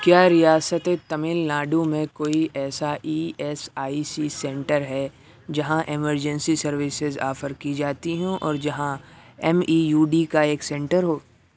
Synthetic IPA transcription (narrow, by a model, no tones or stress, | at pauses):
kjaːɾijaːsət̪et̪ɐmɪlnaːɖũmẽkoːiʔɛːsaʔiːɛsaːisisɛ̃ːɳʈəɾɦɛ | d͡ʒɐɦãʔɪməɾd͡ʒɛ̃nsisɐɾʋɪsɪza̰ːfəɾkid͡ʒaːt̪iɦɛ̃ʔɔ̰ːɾd͡ʒɐɦãɛmiːjuːɖikaeːksɛ̃ːɳʈəɾɦoː